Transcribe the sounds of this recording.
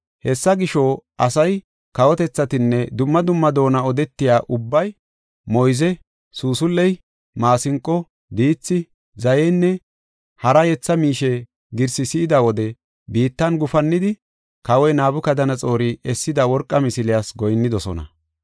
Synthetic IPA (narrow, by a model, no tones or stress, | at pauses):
hɛsːɐɡɪʃoːɐsɐj | kɐwɔt̪ɛt͡sːɐt̪ɪnːɛd̪ʊmːɐd̪ʊmːɐd̪o̞ːnɐɔd̪ɛt̪ːɪjaːʔʊbːɐj | mɔjzɛ | suːsʊlːɛj | maːsɪŋkʼːɔ | d̪iːt͡sːɪ | zɐjɛnːɛ | hɐɾɐjɛt͡sːɐmiːʃɛ | ɡɪɾsɪsɪːd̪ɐwɔd̪ɛ | biːt̪ːɐnɡʊfɐnːɪd̪ɪ | kɐwɔjnaːbʊkɐd̪ɐnɐt͡sʼo̞ːɾiɛsːɪd̪ɐwɔɾkʼːɐmɪsɪlɪjasɡɔjnːɪd̪ɔsɔ̰nɐ̰